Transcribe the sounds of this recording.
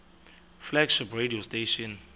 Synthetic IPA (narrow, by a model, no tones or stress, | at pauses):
flɛɡʃiprediosteʃɔn